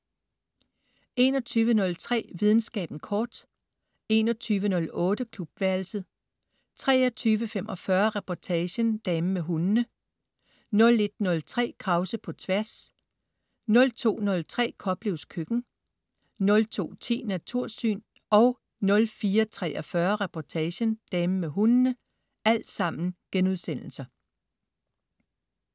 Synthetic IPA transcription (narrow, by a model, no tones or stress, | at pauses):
e̝ːnɒ̽t͡sʰyːʋənɔ̽lt͡sʰʁɛ̰ːʋið̞ˠn̩sɡ̥ɛ̰ːb̥n̩kʰɒːd̥ | e̝ːnɒt͡sʰyːʋənɔ̽lɔ̽ːd̥əkʰlub̥ʋæɐl̩səð̩ˠ | t͡sʰʁɛ̰ːɒt͡sʰyːʋəfemʔɒ̽fɶɐʁɛpʰɒt͡sʰɛːɕənd̥ɛməmeɦunnə | nɔ̽le̝d̥nɔ̽lt͡sʰʁɛ̰ːkʰʁɑ̈ʊsəpʰɒ̽t͡sʰʋæɐ̰s | nɔ̽lt͡sʰo̝̰ːnɔ̽lt͡sʰʁɛ̰ːkʰɒ̽b̥leʊskʰøɡ̥n̩ | nɔ̽lt͡sʰo̝̰ːt͡sʰe̝̰ːnæt͡sʰuɐ̰sy̰ːn | ɒ̽ʊ | nɔ̽lfiːɐt͡sʰʁɛ̰ːʔɒ̽fɶɐʁɛpʰɒt͡sʰɛːɕənd̥ɛməmeɦunnə | æl̰d̥sɑ̈m̰n̩ɡ̥enuðˠsen̰l̩sɐ